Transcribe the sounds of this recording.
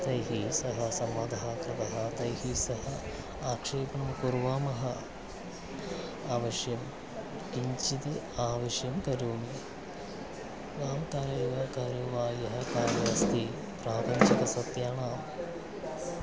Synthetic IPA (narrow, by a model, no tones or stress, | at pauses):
t̪ɐjɦisɐɦɐsɐmʋaːd̪ʱaːkɾɐt̪ɐɦɐt̪ɐjhisɐɦɐ | aːkʂeːpɐmkuɾʋaːmɐɦɐ̰ | aːʋɐʃjɐm | iɲt͡ʃit̪i | aːʋɐʃjɐmkɐɾuːmi | ʋaːmkaːɾeːʋɐkaːɾjɐʋaːjɐɦɐkaːnɐɾɐst̪ʰi | pɾaːpɐɲt͡ʃɐkɐsɐt̪jaːɳaːm